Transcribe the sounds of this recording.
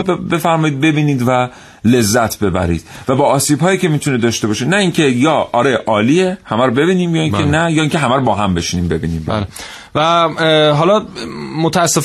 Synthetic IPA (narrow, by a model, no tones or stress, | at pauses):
be̞fæɾmɒːjid̪̚be̞biːniːd̪væ | le̞zːæt̪ʰbe̞bæ̰ɾḭːd̪̥væbɒːɒːsiːbɦɒːjiːcʰe̞miːt̪ʰuned̪ɒːʃt̪e̞bɒːʃenæiːŋcʰe̞jɒːʔɒɾe̞ʔɒːliehæmæɾobe̞biːniːmjɒːiːŋkʰenæjɒːiŋcʰe̞ɦæmæɾobɒːɦæmbe̞ʃiniːmbe̞bḭːniːmbæ̰l | væɦɒːlɒmot̪ʰæːsːef